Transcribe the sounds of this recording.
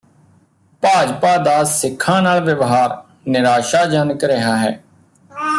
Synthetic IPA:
paːd͡ʒpaːd̪aːsɪkʰːãːnaːlʋəʋɦaːɾ | nɪɾaːʃaːd͡ʒaːnəkɾɪɦaːɦɛ̰ː

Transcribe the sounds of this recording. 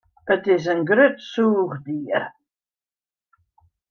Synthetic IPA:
ətɪzənɡɾʏtsuːʁdiːəɾ

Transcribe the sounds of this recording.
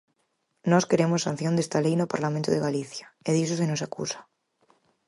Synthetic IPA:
noskeɾemosːan̟θjond̪est̪alejnopaɾlamẽnt̪oðeɣaliθjaeðisos̬enosakṵsḁ

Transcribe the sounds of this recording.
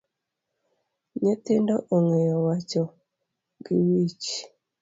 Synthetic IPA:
ɲetɪndoʔoŋejɔwat͡ʃɔ | ɡɪwit͡ʃ

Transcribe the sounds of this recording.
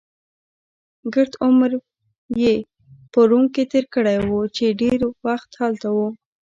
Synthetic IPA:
ɡəɾt̪ʊmɾ | je | pəɾuŋket̪eɾkəɽajwut͡ʃeɖeɾwaxt̪hɑlt̪awu

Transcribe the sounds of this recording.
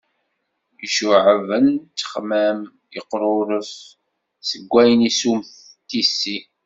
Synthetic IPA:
əʃuʕəvənt͡sːə̥χmæm | əqːɾˤʊɾəs | səɡʷːæjənisumθ | t̪ːisːi

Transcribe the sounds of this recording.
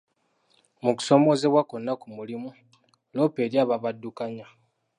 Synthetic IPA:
muku̥so̞mo̞ːze̞βwakonːakumulimu | lo̞ːpe̞ːɾjaːβaβadːukaɲa

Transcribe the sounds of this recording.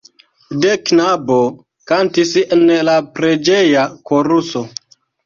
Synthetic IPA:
deknabo | kantisenlapɾed͡ʒejakoɾuso

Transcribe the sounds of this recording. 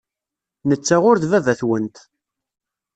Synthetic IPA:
nət͡sːaʁʊɾðvævæθwənt̪

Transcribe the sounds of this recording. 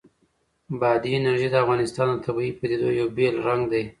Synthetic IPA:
bɑd̪iɪnaɾʒid̪əafɣɑnɪst̪ɑnat̪ʰabiipəd̪ed̪ojjawbelɾaŋɡd̪aj

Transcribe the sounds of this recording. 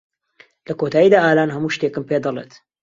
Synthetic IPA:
lɐkot̪ʰaːjiːd̪aːʔaːlaːnɦɐmuːʃt̪ekɨmpeːd̪ɑlˠḛːt̪

